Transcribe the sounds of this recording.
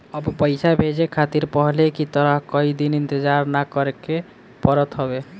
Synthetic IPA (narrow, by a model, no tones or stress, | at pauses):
əbpəjsabʱed͡ʒekʰat̪iɾpɔɦlekit̪əɾəɦkəid̪inint̪ed͡ʒaɾnakɔɾeke | pəɾət̪ɦɔbe